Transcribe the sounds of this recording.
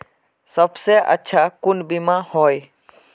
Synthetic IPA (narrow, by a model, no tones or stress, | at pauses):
səbseʔə̰tːʃʰakʊnbimãhɔːj